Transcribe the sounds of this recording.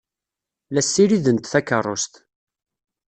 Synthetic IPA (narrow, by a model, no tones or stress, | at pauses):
læsːiɾiðənt̪θækːərˤːo̰st̪